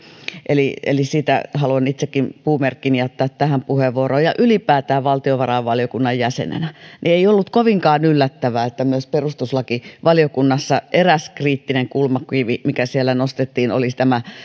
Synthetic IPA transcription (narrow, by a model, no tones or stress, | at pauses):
ʔeliḛlisiːt̪æ̰hɑluɑnit̪sekːimpuːmerkːinijæt̪ːæːt̪tæhæmpuheʋːuoroːjɑʔylipæːt̪æːʋɑlt̪ioʋɑrɑʋʋɑlijokunːɑjjæsḛnḛnænʔieiolːut̪koʋiŋkɑːnylːæt̪ːæʋæːet̪ːæmyøsperust̪uslɑkiʋɑlijokunːɑsːɑʔeræskriːt̪ːineŋkulmɑkwiːʋimikæsielːænost̪et̪ːiːno̰list̪æmæ